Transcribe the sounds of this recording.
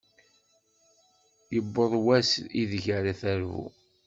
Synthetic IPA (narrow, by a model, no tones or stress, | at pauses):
jəbːəðˤwæsiðʝaɾaθæɾvṵ